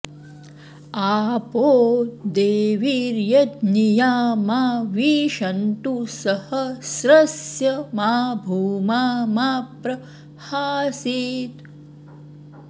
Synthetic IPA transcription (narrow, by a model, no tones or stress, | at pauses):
aːpoːd̪eːʋiɾjɐd̪nijaːmaːʋiːʃɐnt̪usɐhɐsɾɐsjɐmaːbʱuːmaːmaːpɾɐ | haːsiːt̪